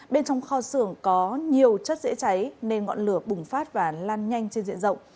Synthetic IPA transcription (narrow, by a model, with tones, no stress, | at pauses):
ɓe˧nt͡ɕɔ˧wŋ͡mxɔ˧sɨ˧˩əŋkɔ˨˦ɲi˨˩əwt͡ɕə˦˥t̚zḛ˧˥t͡ɕa˨˦jne˧nŋɔ̰˧˨nlɨ˧˩əɓʊ˨˩ŋ͡mfaː˦˥t̚vaː˨˩laː˧nɲa˧jŋ̟t͡ɕe˧nzḭ˧˨ənzə̰˧˨wŋ͡m